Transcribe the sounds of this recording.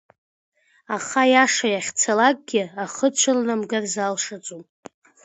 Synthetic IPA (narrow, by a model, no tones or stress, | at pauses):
aχajaʂajaχʲt͡sʰalak̚ʼɡʲɪaχət͡ʃʷʰalnamɡarzalʂat͡sʷʼum